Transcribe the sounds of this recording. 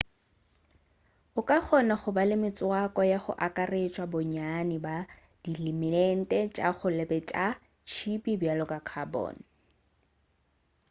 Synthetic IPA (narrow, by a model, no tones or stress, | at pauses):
ʊkʼak͡xʰɔnaχʊbalɪmɪt͡sʼʊakʼɔjaχʊ̰ʔakʼaret͡ʃʼwabʊɲanɪba | d̥ilɪmɪlɛn̩tʼɛt͡ʃʼa̰χʊlɛbɛt͡ʃʼa | t͡ʃʰipibjalɔkʼakʰabɔ̰ːn̩